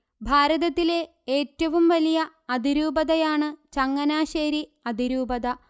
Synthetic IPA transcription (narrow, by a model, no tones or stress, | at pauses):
bʱaːɾɐðɐt̪ːile̞ | eːtːɐʋumʋɐlijɐ | ɐd̪iɾuːbɐðɐjaːɳɨt͡ɕɐŋːɐnaːɕeːɾiɐd̪iɾuːbɐðɐ